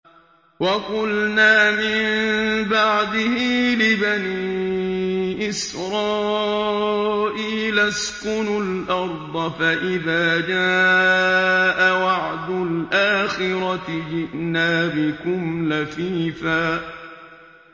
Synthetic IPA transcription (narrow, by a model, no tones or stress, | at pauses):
wɑqʊlnaːmɪmbɑʕd̪ɪhiːlɪbaniːʔɪsɾˤɑː | ʔiːlaskʊnʊlʔɑɾˤd̪ˤɑfaʔɪðaːd͡ʒaː | ʔawɑʕd̪ʊlʔaːxɪɾɑt̪ɪd͡ʒɪʔnaːbɪkʊmlafiːfaː